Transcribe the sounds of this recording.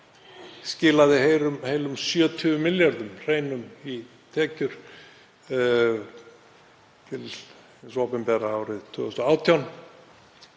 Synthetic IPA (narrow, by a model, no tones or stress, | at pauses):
scɪːlaðɪɦejɾʏmheːjlʏmsjœːt̪ʰʏvʏmɪljaɾðʏmr̥eːjnʏmi | t̪ʰɛːcʏɾ̥ | t̪ʰɪl | sopɪmpɛɾaawɾɪðt̪ʰʏːɣst̪ɔaːwt̪ʰjawn